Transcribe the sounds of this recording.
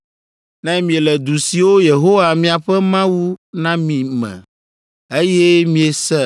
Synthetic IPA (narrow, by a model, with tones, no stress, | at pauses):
nɛ̃˦mĩ˨e˨lɛ˨d̪u˨si˨wo˦je˨ɦo˦wa˨mĩ˨a˨ɸɛ˦mã˦wu˦nã˦mĩ˨mɛ̰̃˨ | e˦jɛ˦mĩ˨e˨sɛ˦